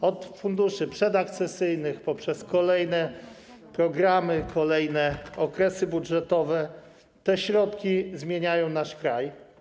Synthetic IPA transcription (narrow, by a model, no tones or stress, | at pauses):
ɔt̪fund̪uʂɘpʂɛd̪ak̚t̪sɛsɘjnɘxpɔpʂɛskɔlɛjnɛ | pɾɔɡɾamɘkʰɔlɛjnɛɔkɾɛsɘbudʐɛt̪ɔvɛ | t̪ɛɕɾɔt̪kʲizmʲjeɲajɔ̃w̃naʂkɾaj